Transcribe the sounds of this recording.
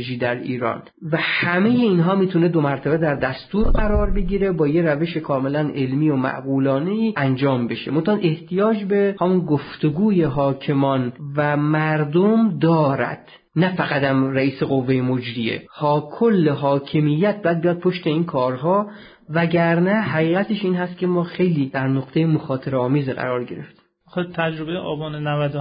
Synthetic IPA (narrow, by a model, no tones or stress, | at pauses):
ʒiːd̪æɾiːɾɒ̰ːn | væhæme̞jeinɦɒːmiːt̪ʰune̞d̪o̞mæɾt̪ʰæbed̪æɾd̪æst̪uːɾɢæɾɒːɾbe̞ɡiːɾe̞bɒːjeɾæve̞ʃekʰɒːme̞lænʔe̞lmiːomæ̰ʔɡuːlɒːneiːænd͡ʒɒːmbe̞ʃḛmont̪æɑneht̪ʰijɒːd͡ʒbehæmunɡoft̪oɡuːjeɦɒːkʰe̞mɒːnvæmæɾd̪omd̪ɒːɾæ̰d̪̥ | næfæɣæt̪æmɾæiːse̞ɣo̞vːejemod͡ʒɾiḛhɒːkʰolːeɦɒːkʰemijːæt̪̚bɒjæd̪̚bijɒd̪̚pʰoʃt̪e̞inkʰɒːɾɦɒː | væɟæɾnæhæɣiːɣæt̪ʰeʃiːnɦæst̪̚kʰʲe̞mɒːxe̞jliːd̪̥æɾnoqt̪ʰejemoxɒːt̪ʰeɾɒːmiːzeɢæ̰ɾɒːɾɟe̞ɾeft̪im | xt̪ʰæd͡ʒɾobejeʔɒːbɒːnenævæd̪